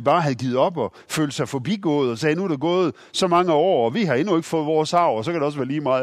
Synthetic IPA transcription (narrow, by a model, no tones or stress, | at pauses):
b̥ɑ̈ːɦæðˠɡiːð̩ˠɒ̽b̥ɒ̽ | fø̰ːld̥sɑ̈ɪfɒ̽b̥iɡ̥ɔ̽ːð̞̩ˠɒ̽sɛːnuæɐɾ̥eɡ̥ɔ̽ːð̞̩ˠ | sɒ̽mɑ̈ŋəɒ̰ːɒ̽ʋiɦɑ̈e̝nue̝ɡ̥fɔ̽ːð̞̩ˠʋɒːsɑ̈ʊ̰ɒs̬ɒkʰæɾ̥eɒ̽sʋæːɐliːmɑ̈ːð̩